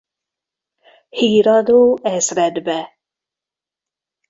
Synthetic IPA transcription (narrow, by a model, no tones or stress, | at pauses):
hiːɾɔd̪uːɛsɾɛd̪bɛ